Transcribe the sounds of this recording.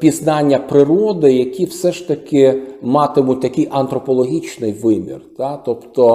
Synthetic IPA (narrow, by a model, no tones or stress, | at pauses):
pʲiznɑnʲːɐpɾɪɾɔd̪ɪjɐkʲiwsɛʃt̪ɐkʲɪmɑt̪ɪmʊt̚ʲt̪ɐkʲɪjʔɐnt̪ɾɔpɔlˠɔɦʲit͡ʃnɪjʋɪmʲḭrt̪ɑt̪ɔpt̪ɔ